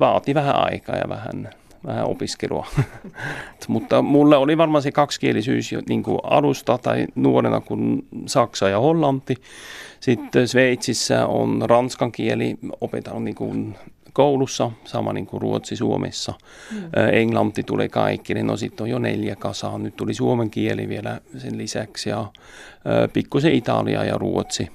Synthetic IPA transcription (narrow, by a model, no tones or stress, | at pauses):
ʋɑːt̪iʋæɦæɑikɑːjɑ̰ʋæhæ̰n | ʋæhæo̰piskeluɑ | mut̪ːɑmulːeoliʋɑrmɑst̪ikɑkskielisyːsjo̰niŋkṵɑ̰lust̪ɑt̪ɑinuoɾenɑ̰kunsɑksɑjɑholːɑnt̪ːisit̪ːsʋeit̪sisːæo̰nrɑnskɑŋkieliopet̪ːˑɑnuniŋkun | kowlusːɑsɑmɑniŋkuruot̪sisuo̞mʔḛsːɑ | eŋɡ̥lɑnt̪ːit̪ulḛkɑ̰jkːinenʔosit̪ːonjone̞̰ljækɑsɑnyt̪t̪ulisuomeŋkielḭʋielæsenlisæksjɑ | pikːuseit̪ɑ̰lḭɑ̰jɑ̰ruot̪si